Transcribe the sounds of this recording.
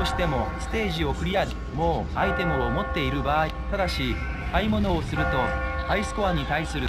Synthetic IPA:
oɕi̥t̪e̞mo̞sɨ̥t̪e̞ːʑio̞kɯ̟ɾʲiai | moːait̪e̞mɯ̟omo̞t̪ːe̞iɾɯ̟baːit̪ad̪aɕi | kaimo̞no̞ːsɨɾɯ̟t̪o̞aisɨ̥koβaɲ̟it̪aisɨɾɯ̟

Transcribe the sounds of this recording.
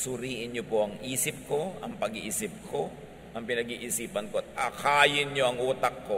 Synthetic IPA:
sʊɾiːʔɪnɲopoʔɐŋʔiːsɪp̚ko̞ʔɐŋpɐɡiʔisɪp̚kʰo̞ | ʔɐŋpɪnɐɡiʔɪsiːpɐnkoɐt̪̚akaːjɪnɲoʔɐŋʔuːt̪ɐkːo

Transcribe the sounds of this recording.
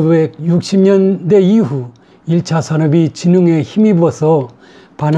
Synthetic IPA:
bek̚juk̚ɕ͈ʰimɲʌnde̞iɦu | iɭt͡ɕʰasʰanʌbit͡ɕinuŋeçimibuʌsʰʌ | pan

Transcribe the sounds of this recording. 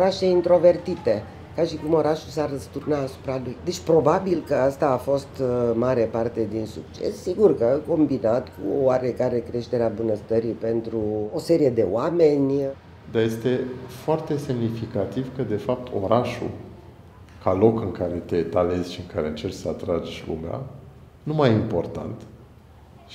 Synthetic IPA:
oɾaʃe̞int̪ɾo̞ve̞rt̪it̪e̞ | kaʃikumo̞ɾaʃusarəst̪urnaːsu̥pɾalujd̪e̞t͡ʃʲpɾo̞babilkəast̪aːfo̞st̪maɾe̞part̪e̞d̪insuk̚t͡ʃe̞̰sːiɡurkəko̞mbinat̪kʰṵowaɾe̞kaɾe̞kɾe̞ʃt̪e̞ɾeabunəst̪əɾipe̞nt̪ɾuose̞ɾije̞d̪e̞wame̞nʲ | d̪aje̞st̪e̞foart̪e̞se̞mnifikat̪ivkəd̪e̞fap̚t̪ʰo̞̰ɾaʃṵ | kalo̞kɨŋkaɾe̞t̪et̪ale̞zʲʃiɨŋkaɾe̞ɨnt͡ʃe̞rt͡ʃsəat̪ɾad͡ʒlṵmea̰ | numajimpo̞rt̪a̰nt̪

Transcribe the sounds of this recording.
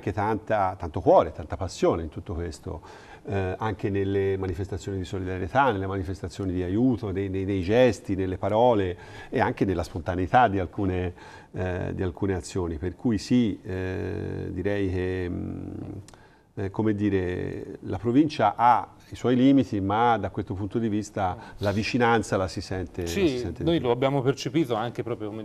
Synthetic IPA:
ŋk̟et̪ant̪at̪ːant̪okwɔːɾet̪ʰant̪apasːjoːneint̪ut̪ːokwest̪o̰ | aŋk̟enelːemanifest̪at̪sjoːnid̪isolid̪aɾjet̪anːelːemanifest̪at̪sːjoːnid̪iajuːt̪onenenejd͡ʒɛst̪inelːepaɾɔːle | eaŋk̟enelːaspont̪aneit̪ad̪ːialkuːne | d̪ialkuːneat̪sːjoːniperkujisi | d̪iɾɛjke | komed̪ːiːɾelapɾovint͡ʃaʔa | iswɔjliːmit̪imad̪akwest̪opunt̪od̪ivist̪alavit͡ʃinant̪salasisɛnt̪eisisɛnt̪enojloabːjaːmopert͡ʃepiːt̪oaŋkepɾɔːpɾjokome

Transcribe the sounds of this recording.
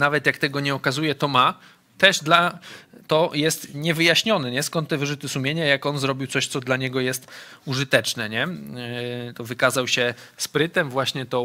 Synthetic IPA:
navɛt̪jakt̪ɛɡɔɲɛɔkazujɛt̪ɔma | t̪ɛʐd̪lat̪ɔjɛst̪ɲɛvɘjaɕɲɔnɛɲɛskɔnt̪ːɛvɘʐut̪ɘsumʲjeɲajakɔnzɾɔbʲiwtsɔɕt̪sɔd̪laɲɛɡɔjɛst̪uʐɨt̪ɛt͡ʂnɛɲɛ | t̪ɔvɘkazawɕɛspɾɘt̪ɛmvwaɕɲɛt̪ɔ

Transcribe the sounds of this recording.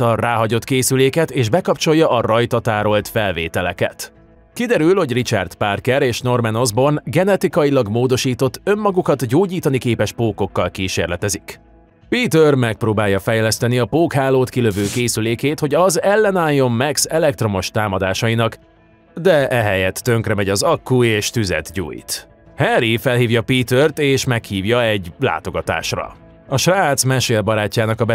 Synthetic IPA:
ɒraːɦɒɟo̞t̪keːsyleːkɛt̪eːʒbɛkɒp̚t͡ʃo̞jːɒʔɒrɒjt̪ɒt̪aːɾo̞lt̪fɛlvḛːt̪ɛlɛ̰kɛ̰t̪ | kid̪ɛɾylho̞ɟrit͡ʃɛ̰rt̪parkɛɾeːʃno̞rmɛno̞zbo̞rnɡɛnɛt̪ikɒjilɒɡmoːd̪o̞ʃiːt̪o̞t̪ːø̞mːɒɡukɒt̪ɟoːɟiːt̪ɒnikeːpɛʃpoːko̞kːɒlkiːʃeːrlɛt̪ɛzik | piːt̪ørmɛk̚proːbaːjɒfɛjlɛst̪ɛniɒpoːkhaːloːt̪kiløvøːkeːsyleːkeːt̪ho̞ɟɒzɛlːɛnaːjːo̞mmɛksɛlɛk̚t̪ro̞mo̞ʃt̪aːmɒd̪aːʃɒjinɒk | d̪ɛʔɛɦɛjɛt̪ːø̞ŋkrɛmɛɟɒzɒkːueːʃt̪yzɛ̰t̪ɟṵːjt̪ | hɛɾifɛlhiːvjɒpiːt̪ørt̪eːʃmɛkhiːvjɒɛɟla̰ːt̪o̞ɡɒt̪a̰ːʃrɒ̰ | ɒʃraːt̪smɛʃeːlbɒɾaːcːaːnɒkɒbɛ

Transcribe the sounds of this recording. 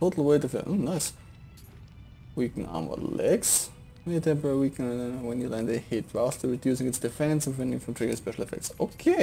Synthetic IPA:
tʰoʊtʰˡl̩ˠweɪtɨfḭlʔo̰naɪs | wikɨ̃n̩ɑ̰ɹmə̰lɛɡs | metʰɛ̃mpə˞wikʰɨ̃nadõnowɛ̃njɨlãɪ̃nðehɪt̚ɹastʰəɹɨdjʉsɪ̃ŋɨtsd̥ɨfɛ̃nsə̃nfɛ̃ndɪ̃ŋfɔ̃mtʰɹ̥ɪ̃ɡə̃spɛʃl̩ˠəfɛ̰k̚tsokʰe

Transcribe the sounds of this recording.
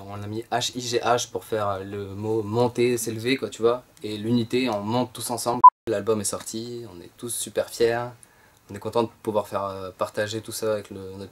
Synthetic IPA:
ɔ̃namiʔaʃiʒeʔaʃpuʁfɛʁøləmomɔ̃t̪eselvekwat̪yvwa | elynit̪eɔ̃mɔ̃t̪ːusɑ̃sɑ̃blalbɔmɛsɔʁt̪ʰiɔ̃nɛ̰t̪usːypɛʁfjɛːʁ | ɔ̃nɛkɔ̃t̪ɑ̃d̪əpuvwaʁfɛʁøpaʁt̪aʒet̪usaːvɛklə̃na

